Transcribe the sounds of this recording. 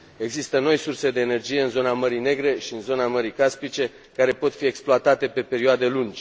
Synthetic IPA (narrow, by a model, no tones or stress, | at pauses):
e̞ɡzist̪əno̞jsurse̞d̪e̞ːne̞rd͡ʒije̞ɨnzo̞naməɾine̞ɡɾe̞ʃiɨnzo̞naməɾikaspit͡ʃe̞ | kaɾe̞po̞t̪fie̞ksploat̪at̪e̞pe̞pe̞ɾioad̪e̞lund͡ʒʲ